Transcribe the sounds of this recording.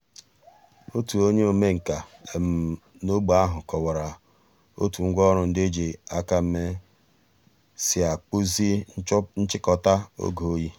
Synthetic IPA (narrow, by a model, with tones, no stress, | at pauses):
o˦tu˨o˦ɲe˦o˨me˦ŋ̩˨ka˨e˨m̩˨no˦ɡ͡ba˦ɦʊ˨kɔ˨wa˨ɾa˨ | o̰˦tu˨ŋ̩˦ɡʷɔ˦ɾʊ˨n̩˦de˦d͡ʒe˨a˦ka˦m̩˦me˦ | sɪ˦a˨k͡pu˦zi˦n̩˦t͡ʃɪ˦kɔ˨ta˦o̰˦ɡo˨o˦ji˦